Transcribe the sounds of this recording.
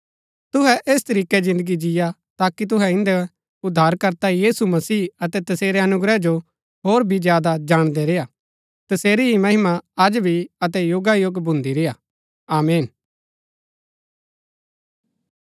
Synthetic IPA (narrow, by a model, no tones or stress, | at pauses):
t̪ʊɦɛʔeːst̪ɐɾiːkɛd͡ʒɪ̃nd̪əɡid͡ʒɪja | t̪aːkit̪̬ʊɦɛɪ̃nd̪ɛ | ʊd̪ʱːaːɾkɐɾt̪ajiːsumɐsiːɐt̪ɛt̪ɐseːɾɛɐnʊɡɾɛd͡ʒo | ɦoːɾbʱid͡ʒjaːd̪ad͡ʒaːɽ̃d̪ɛɾeja | t̪ɐseːɾiɦimɐɦɪmaɐd͡ʒbʱiɐt̪̬ɛjʊɡajoɡbʱʊ̃nd̪iɾeja | aːmeːn